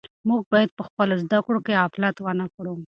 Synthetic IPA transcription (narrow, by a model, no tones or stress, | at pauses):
muɡ̚bɑjad̪̚pəxpəlozd̪akɽokeaflat̪wanakɽu